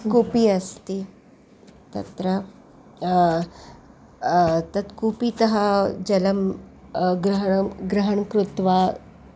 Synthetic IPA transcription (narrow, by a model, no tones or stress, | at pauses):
kupiɐst̪i | t̪ɐ̰t̪ɾə | t̪ɐt̪kupit̪ɐɦad͡ʒɐlɐm | ɡɾɐɦɡɾɐɦɐɳkɾut̪ʋa